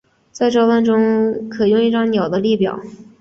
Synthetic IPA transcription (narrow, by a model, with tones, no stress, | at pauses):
t͡sa˥˧ɪʈ͡ʂɑ˥˧ʊpa˥˩nʈ͡ʂʊ˥ŋkʰɤ˨˩jʊ˥˧ŋi˥˩ʈ͡ʂɑ˥ŋnjɑ˨˩ʊd̪ə˦li˥˩pjɑ̰˨˩˦ʊ